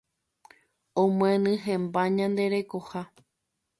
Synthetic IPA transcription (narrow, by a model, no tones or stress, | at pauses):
õmw̃ẽnɨ̃ɦẽmbaɲãnd̪e̞ɾe̞koha